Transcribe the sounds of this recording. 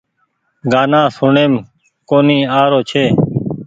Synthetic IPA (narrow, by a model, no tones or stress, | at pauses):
ɡaːnãːsʊɳeːm | koːniːaːɾoːt͡ʃʰeː